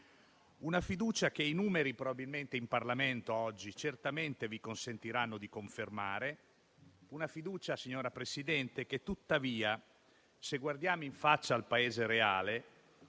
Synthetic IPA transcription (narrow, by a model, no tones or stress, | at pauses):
unafid̪uːt͡ʃakeinuːmeɾipɾobabilment̪eimparlament̪oɔd͡ʒːit͡ʃert̪ament̪evikonsent̪iɾanːod̪ikoɱfermaːɾe | unafid̪uːt͡ʃasiɲːoːɾapɾesid̪ɛnt̪eket̪ːut̪ːaviːa | seɡward̪jaːmoiɱfat͡ʃːaːlpaeːzeɾeaːle